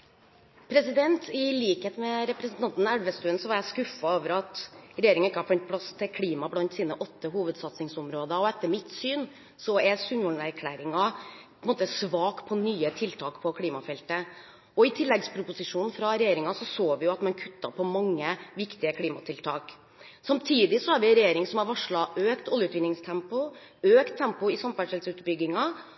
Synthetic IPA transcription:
pʰɾɛsɪd̪ɛnt̪ɪliːkheːt̪mɛɾɛpɾɛsn̩t̪ɑnt̪n̩æɽʋəst̪ʉːənsɔʋɑɾjæɪskʉfɑoːʋəɾɑt̪ɾɛjeːɾɪŋənɪkːəhɑɾfɛnt̪̚pʰɽɑst̪ʰɪlkʰliːmɑblɑnt̪siːnəʔɔt̪ːəɦuːʋəd̪sɑt̪sɪŋsʊmɾoːd̪əɔɛt̪ːəɾmɪt̪syːn | sɔɛsʉnʋɔɳnæɾkʰlæːɾɪŋɑpʰɔɛnmoːt̪əsʋɑːkpʰɔnyːət̪ʰɪlt̪ʰɑːkpʰɔkʰliːmɑfɛlt̪ə | ɔɪt̪ʰɪlːɛɡspʰɾʊpʊsɪʂuːnfɾɑɾɛjeːɾɪŋɑsɔsoːʋɪjʊɑt̪mɑnkʰʉ̥t̪ːɑpʰɔmɑŋːəʋɪkt̪ɪəkʰliːmɑt̪ʰɪlt̪ʰɑːk | sɑmt̪ʰiːd̪ɪsɔhɑɾʋɪɾɛjeːɾɪŋsɔmɑɾʋɑʂɭɑʔøːkt̪ɔljəʉt̪ʋɪnːɪŋst̪ʰɛmpʊ | øːkt̪ʰːɛmpʊɪsɑmfæʂɛlsʉːt̪bʏɡːɪŋɑ

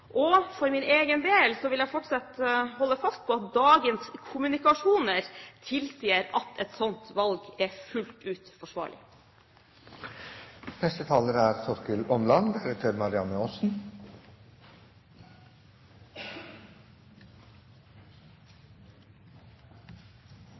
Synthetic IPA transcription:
ʔɔfɔɾmɪneːɡənd̪eːlsɔʋɪljæfɔʈsɑt̪hɔlːəfɑst̪̚pʰɔɑt̪̚d̪ɑːɡənskʰʊmʉnɪkɑʂuːnəɾt̪ʰɪlsjeɾɑt̪ʰɛt̪sɔnt̪ʋɑlɡɛfʉlt̪ʉːt̪fɔʂʋɑ̰ːɭɪ̰ | nɛst̪ət̪ʰɑːləɾæɾsɔɾkəlɔnlɑnd̪ɛɾət̪ʰøːɾmɑɾɪɑnəɔːsn̩

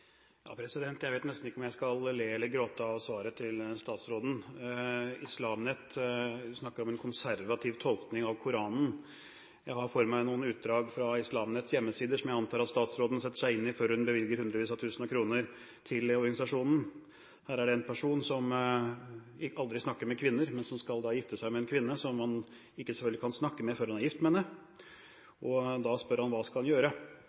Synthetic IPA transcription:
jɑ̰ːpʰɾɛsɪd̪ɛnt̪jæɪʋeɪt̪nɛst̪n̩ɪkːəɔmjæɪskɑlleːɛlːəɾɡɾoːt̪əɑʋsʋɑːɾət̪ʰɪlst̪ɑːt̪sɾoːd̪n̩ | ɪslɑːmnɛt̪ːsnɑkːəɾɔmɛnkʰʊnsæɾʋɑt̪ʰɪʋt̪ʰɔlˠknɪŋɑʋkʰʊɾɑːnn̩ | jæɪhɑɾfɔɾmæɪnuːənʉːt̪̚d̪ɾɑːɡfɾɑɪslɑːmnɛt̪sjɛmːəsiːd̪əʂɔmjæɪɑnt̪ʰɑːɾɑt̪st̪ɑːt̪sɾoːd̪n̩sɛt̪ːəʂæɪɪnːɪføɾhʉnbəʋɪlɡəɾhʉnd̪ɾəʋiːsɑt̪ʰʉːsnɑkʰɾuːnəɾ | t̪ʰɪlɔɾɡɑnɪsɑʂuːnn̩ | hæːɾæɖɛɛnpʰæʂuːnsɔm | ɪɑld̪ɾɪsnɑkːəɾmɛkʰʋɪnːəɾmɛnsɔmskɑld̪ɑːjɪft̪əsæɪmɛɛnkʰʋɪnːəsɔmːɑn | ɪkːəsɛfœlɡ̪ləkʰɑnsnɑkːəmɛfɔɾɑnɑjɪft̪mɛnːə | ʔɔd̪ɑspœɾhɑnʋɑːskɑlhɑnjøːɾə

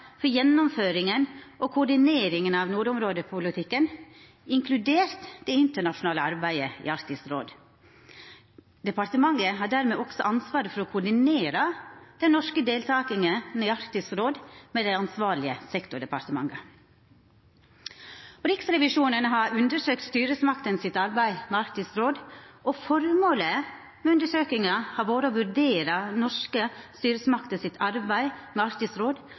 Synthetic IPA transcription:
fɔjɛnːɔmføːɾɪŋənʔokʰʊɖɪneːɾɪŋənɑʋnuːɾʊmɾoːd̪əpʰʊlɪt̪ʰɪkːən | ɪŋkʰlʉd̪eːɾt̪d̪ɛɪnt̪əɳɑʂʊnɑːləɑɾbæɪəḭɑɾkt̪ɪsɾo̰ːd̪ | d̪̥ɛpɑɾt̪əmɑŋəɦɑːɖæːɾmeːɔksɔʔɑnsʋɑːɾəfɔɾɔːkʰʊɖɪneːɾəd̪̥ɛnnɔʂkəd̪eːlt̪ʰɑːkɪŋəniɑɾkt̪ɪsɾoːd̪meːd̪æɪɑnsʋɑːɭɪəsɛkt̪ʊɖɛpɑɾʈ̪əmɑ̰ŋːə | ɔɾɪksɾɛʋɪʂuːnənɦɑɾʉnd̪əʂøːk̚t̪st̪yːɾəsmɑkt̪ənsɪt̪ɑɾbæɪmɛɑɾkt̪ɪsɾoːd̪ɔfɔɾmoːlə | mɛʉnd̪əʂøːkɪŋɑhɑɾʋoːɾəɔʋʉɾɖeːɾɑnɔʂkəst̪yːɾəsmɑkt̪əsɪt̪ʰɑɾbæɪmɛɑɾkt̪ɪsɾoːd̪

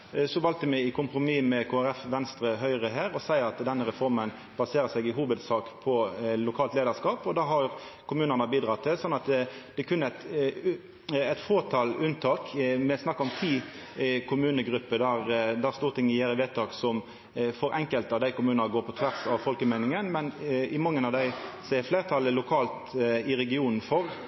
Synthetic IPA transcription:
sɔʋɑlt̪əmɛɪkʰʊmpɾʊmiːmɛkʰoːæɾɛfʋɛnst̪ɾəɦœʏʁəɦæːɾɔsæɪɑt̪d̪ɛnːəʁɛfɔɾmən | b̥ɑseːɾəsɛɡɪɦuːʋəd̪sɑːkpʰɔlʊkʰɑːlt̪leːd̪əskɑːpɔd̪ɑɦɑɾkʰʊmʉːnənəbiːd̪ʁɑt̪ʰːɪlsɔnːɑt̪d̪̥ɛkʰʉnːəæt̪ | ɛɪt̪foːt̪ʰɑːlʉnt̪ʰɑːkmɛsnɑkːəɔmt̪ʰiː | kʰʊmʉːnəɡɾʉpːəd̪æɾd̪æst̪uːɾt̪ʰɪŋːəjeːɾɪʋeːt̪ʰɑːksɔm | fɔɾʔɛŋkəlt̪ɑʋd̪æɪkʊmʉːənəɡoːɾpʰɔt̪ʰʋæʁsɑʋfɔlkəmæɪnɪŋənmɛnɪmɑŋːənɑʋd̪æɪsɛfleɪɾt̪ʰɑləlʊkʰɑːlt̪ɪɾɛɡɪuːnn̩fɔʁ

